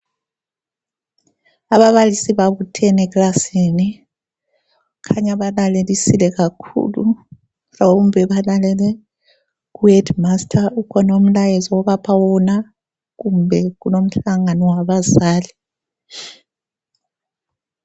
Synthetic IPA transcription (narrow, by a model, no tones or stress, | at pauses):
aβaβalisiβaβutʰɛnɛklasini | kʰaɲaβalalelisilɛɣakʰṵlṵ | raumbʱɛβalalɛlɛ | kuɛdmastʰaukʰɔnom̩lajɛzɔwɔβapʰawɔna | k̬umbʱɛkunom̩ɬaŋanɔwaβazaːli